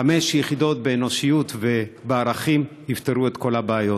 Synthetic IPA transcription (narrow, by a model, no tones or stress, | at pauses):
ame̞ʃjeχido̞t̪̚beːno̞ʃijut̪ve̞beaɾaχimhift̪eɾue̞t̪ko̞labeajo